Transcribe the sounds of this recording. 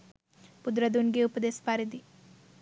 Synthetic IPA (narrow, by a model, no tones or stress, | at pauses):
pud̪ɾɐd̪unɡeupɐd̪eːspaːɾid̪i